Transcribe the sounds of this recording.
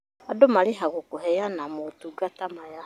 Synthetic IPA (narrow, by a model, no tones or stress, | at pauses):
adomaleɦaɣokoɦɛjanamotuɡatamaja